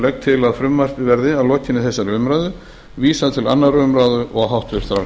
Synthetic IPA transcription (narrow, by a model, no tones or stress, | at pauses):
lɛk̚t̪ʰɪlaðfɾʏmːar̥pɪvɛɾðɪavlɔːcɪnːɪθɛsːaɾrœːmɾaːðʏ | viːsat̪ʰɪla̰nːarœːmɾaːðʏʔɔɣɦawht̪vʏɾ̥t̪ɾa̰